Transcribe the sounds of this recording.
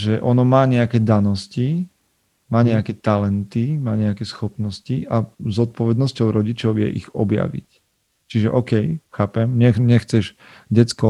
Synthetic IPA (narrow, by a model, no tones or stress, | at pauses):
ʒɛʔɔnɔmaːɲɛakɛːd̪anɔsci | maːɲɛakɛt̪alɛnt̪imaːɲɛakɛsxɔpnɔsciʔazɔt̪̚pɔʋɛd̪nɔscɔʊɾɔɟit͡ʃɔʊjɛ̰ʔḭɣɔbja̰ʋḭc | t͡ʃiʒɛʔɔːkɛjxaːpɛmɲɛɲɛxt͡sɛʒ | ɟɛt͡skɔ